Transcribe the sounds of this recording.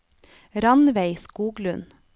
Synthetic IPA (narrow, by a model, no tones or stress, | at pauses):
ɾɑnʋeɪskuːɡlʉn